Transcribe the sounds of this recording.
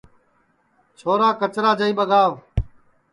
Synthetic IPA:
t͡ʃʰoːɾaːkət͡ʃɾaːd͡ʒəiːɓəɡaːʋ

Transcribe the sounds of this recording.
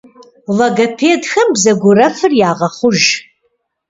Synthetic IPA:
lɐɡɐpʰeːdxɐmbzɐɡʷʊrɐfɨrjaːʁɐχʷʊʒ

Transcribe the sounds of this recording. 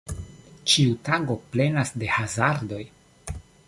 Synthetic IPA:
t͡ʃiutaɡo̞ple̞nasde̞hazaɾdo̞j

